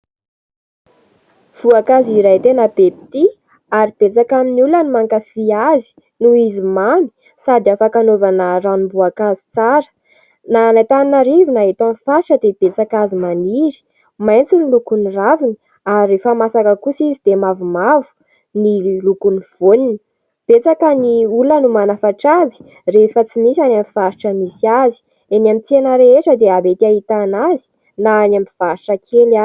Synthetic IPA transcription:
v̥uakaziɾajt̪enəbepi̥t̪i | aɾib̥et͡sakaminulanimaŋkafiazi̥ | nuizimani̥ | sad̪iafakanovanəranimbuakazi̥t͡saɾə̥ | nanajt̪aninaɾivinaɦet̪ãnfaʈ͡ʂəd̪eb̥et͡sakazimaniɾi̥ | majnt͡sunilukuniravini | aɾrefəmasakəkusizid̪emavumavu̥ | nilukuniv̥onini | b̥et͡sakəniulənumanafaʈ͡ʂazi̥ | refət͡sinisanamifaɾiʈ͡ʂəmisiazi̥ | enamit͡senəɾeeʈ͡ʂəd̪eabet̪iaɦit̪anazi̥ | naːnamiv̥aɾiʈ͡ʂəkʰela

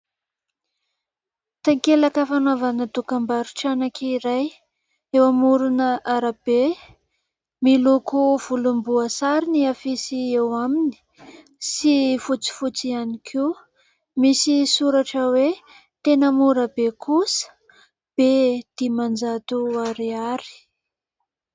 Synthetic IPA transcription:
t̪aŋkelakəfanwavanəd̪ukambaɾuʈ͡ʂanakiiɾaj | ewamuɾunəʔaɾab̥e | milukuv̥ulumbuəsaɾiniafisiewamini̥ | sifut͡si̥fut͡sianikʰi | misisuɾaʈ͡ʂəwe | t̪enəmuɾəbekʰusə̥ | b̥ed̪̥imand͡ʒat̪uaɾiaɾi̥

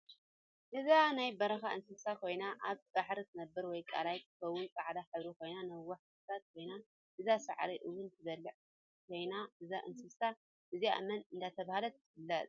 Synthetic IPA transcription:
ʔɨzanajbɐɾɐxaʔɨnsɨβsakʰo̞jnaʔaβb̥aħɾit̪ʰɨnɐbːɨɾwɔjkʼa̰lajt̪ɨxɐwːʊnkʼaʕd̪aħɨβɾikʰo̞jnanɐwːɐħ | t̪ʰat̪̚kʰo̞jna | ʔɨzasa̰ʕɾiʔɨwunt̪ʰɨzɐlːɨʕ | kʰo̞jnaʔɨzaʔɨnsɨβsa | ʔɨziʔa̰mɐnɨnd̪at̪ʰɐβahalɐt̪ːɨfɨlːɐt̪ʼ

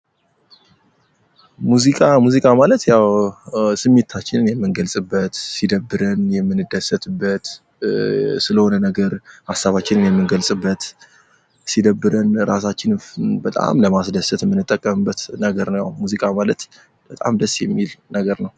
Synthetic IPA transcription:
muzikʼamuzikʼamalət̪jawsɨmːe̞t̪ʰːat͡ʃːɪnɨnjɛmːɨnɡəlsʼɨbːət̪sid̪əbːɨɾɨnjɛmːɨnːɨd̪ːəsət̪ɨbːət̪ | sɨləho̞nənəɡəɾhasːaβat͡ʃːɪnɨnjɛmːɨnɡəlsʼɨbːət̪ | sid̪əbːɨɾənɾasat͡ʃːɪnbət̪ʼa̰mləmasd̪əsət̪jɛmːɨnːɨt̪ʼːəkʼːəmɨbːət̪nəɡəɾnəwja̰wmuzikʼamalət̪ | b̥ət̪ʼa̰md̪əsːjɛmːilnəɡəɾnəw

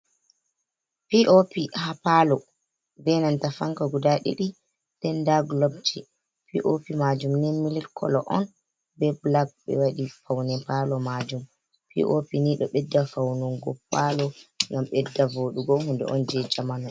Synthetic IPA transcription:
piʔopihapalɔ | bɛnantafaŋkaɡudaɗḭɗi | d̥ɛndaɡlɔb̚t͡ʃi | pḭʔopimad͡ʒumnimililkʰɔ̰lɔ̰ʔɔ̰n | bɛblaɡ̚ɓɛ̰waɗifawnɛpalɔmaːd͡ʒum | pḭʔopiniɗɔɓɛdːafawnɔŋɡɔpalɔŋɡamɓɛdːavoɗuɡɔhundɛ̰ʔɔnd͡ʒɛd͡ʒamanɔ

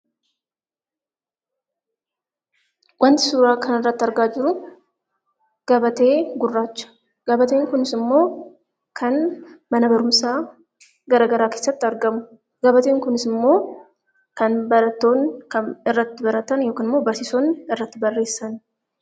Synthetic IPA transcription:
wɐnt̪ɪ̥suːɾaːkʰɐnɪrːɐt̪ːɪɐɾɡaːd͡ʒɪɾʊ | ɡ̥ɐbɐt̪e̞ːɡʊrːaːt͡ʃːɐ̥ | ɡ̥ɐbɐt̪eːŋkʊnɪsɪmːo̞ː | kʰɐnmɐnɐbɐɾʊmsaː | ɡɐɾɐɡɐɾaːke̞ːsːɐt̪ːɪɐɾɡɐmʊ | ɡɐbɐt̪e̞ːŋkʊnɪsɪmːo̞ː | kɐnbɐɾɐt̪ːo̞ːnkɐnɪrːɐt̪ːɪbɐɾɐt̪ɐnjoːkɪnɪmːo̞ːbɐɾsɪsonɪrːɐt̪ːɪbɐrːe̞ːsːɐn

